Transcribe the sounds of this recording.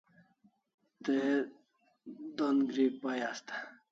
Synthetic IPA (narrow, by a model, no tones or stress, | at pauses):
t̪e | d̪onɡɾipajast̪ḁ